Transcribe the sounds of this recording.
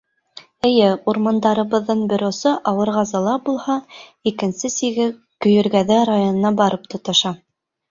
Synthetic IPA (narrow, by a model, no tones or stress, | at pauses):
ɘ̆jɘuɾmɑnd̪ɑɾɤ̆βɤ̆ðːɤɴbʲɵ̆ɾosɤʔɑwɤ̆ɾʁɑzɑlˠɑbulˠhɑikɘ̆nsɘsiɡɘ | kɵ̆jɵ̆ɾɡæðɘɾajonɤ̆nɑbɑɾɤpt̪ŏt̪ɑ̆ʃɑ